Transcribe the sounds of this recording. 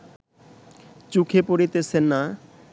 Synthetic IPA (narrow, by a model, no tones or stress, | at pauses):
t͡ɕukʰepoɾit̪et͡ɕʰenːa